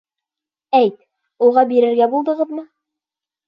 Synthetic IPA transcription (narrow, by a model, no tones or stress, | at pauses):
æjt̪ | ulˠʁɑbiɾɘ̆ɾɡæbulˠd̪ɤ̆ʁɤðmɤ